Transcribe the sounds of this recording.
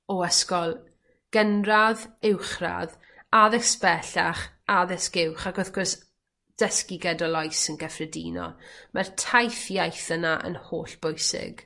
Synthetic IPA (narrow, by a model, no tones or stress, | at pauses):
ɔəskɔlˠ | ɡ̥ənraðɪwχra̰ð | aðɛspɛɬaχaðɛskɪwχaɡɔθɡɔs | d̥əskɪɡɛdɔlˠɔjsənɡɛfrɛdḭnɔ̰mʔartʰajfjajθənaʔə̰nhoːɬb̥ojsɪ̰ɡ̥